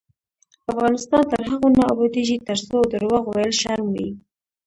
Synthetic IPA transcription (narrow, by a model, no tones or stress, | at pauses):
afɣɑnɪst̪ɑnt̪əɾɦaɣonɑːbɑd̪eʒit̪əɾsod̪əɾwaɣwajəlʃaɾmwi